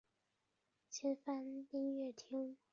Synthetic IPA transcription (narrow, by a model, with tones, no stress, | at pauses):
t͡ɕʰɛ˥nfa˥nt̪i˥ŋɥɛ˥˩t̪ʰi˥ŋ